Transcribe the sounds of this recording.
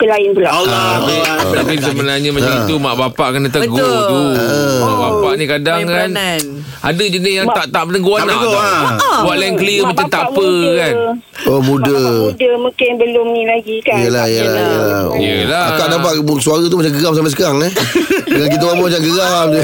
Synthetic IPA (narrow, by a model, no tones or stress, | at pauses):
kəlaɪnpula | aiət̪apis̬əbənarɲamat͡ʃamit̪umaʔbapaʔkənat̪əɡ̪ut̪uəabapaʔnikadaŋkan | ʔa̰dəd͡ʒənɪsjaŋt̪aʔt̪aʔmənəɡuana̰ʔabaʔlajinkəliəmat͡ʃant̪apəkan | omudədəmũkɪnbəlʊmnĩlaɡikajəlaijəlajəla̰ḭjə̰laakadapatsuaɾat̪̬umat͡ʃamɡəɡamsampas̬ə̥kaɾaŋɛəŋankit̪awabəmat͡ʃamɡəɡam